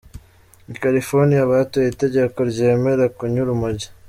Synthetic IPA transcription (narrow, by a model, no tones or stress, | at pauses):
ikalifoɾnijaβatojete̞ɟe̞ko̞ɾɟe̞ːme̞ɾakuɲuɾumuɟḁ